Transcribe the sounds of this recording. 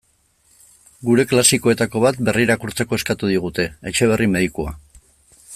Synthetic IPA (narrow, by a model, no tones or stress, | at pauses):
ɡuɾe̞klasiko̞e̞t̪ako̞β̞at̪be̞riɾakuɾt͡seko̞eskat̪uð̞iɣ̞ut̪e̞et͡ʃe̞β̞e̞rʔimeðikua̰